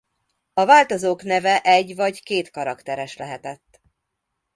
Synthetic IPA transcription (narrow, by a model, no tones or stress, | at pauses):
ɒvaːlt̪ozoːknɛvɛʔɛɟːvɒɟkeːt̪kɒɾɒkt̪ɛɾɛʃlɛɦɛt̪ɛt̪ː